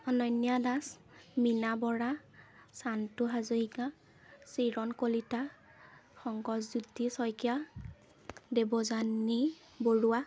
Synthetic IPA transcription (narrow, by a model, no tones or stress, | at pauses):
ɔnɔjnːijadas | minabɔɹa | santʊɦazoɦiɡa | siɹɔnkolita | xɔŋɡɔzzudːisɔjkija | debɔzani | boɹua